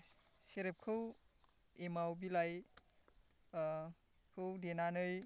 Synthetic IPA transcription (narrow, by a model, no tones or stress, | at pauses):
seɾep̚kʰɯw | emawbilaj | kʰɯwdenanɯj